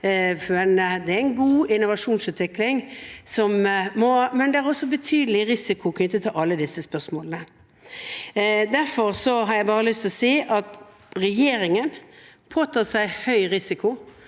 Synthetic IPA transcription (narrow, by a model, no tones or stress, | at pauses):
ɛnd̪ɛææɪnɡuːɪnːʊʋɑʂuːnsʉːt̪ʋɪklɪŋsɔmmɔmɛnd̪ɛæɾɔsːɔbət̪ʰyːd̪əlɪɾɪsɪkʰʊkʰnʏt̪ːət̪ʰɛlʔɑlːəd̪ɪsːəspœʁsmoːlnə | d̪æʁfɔɾsɔɦɑɾjæɪbɑːɾəlʏst̪ʰlɔseːʔɑt̪ | ɾɛjeːɾɪŋənpʰoːt̪ʰɑːsæɪhœʏɾɪsɪkʊ